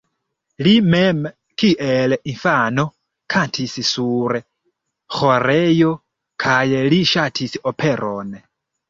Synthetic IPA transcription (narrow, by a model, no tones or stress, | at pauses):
limɛm | kʰiʔɛlɛʔinfanɔ | kʰantʰisisuɾɛ | xɔɾɛjɔ | kʰajɛliʃatʰisiʔɔpʰɛɾʔɔnɛ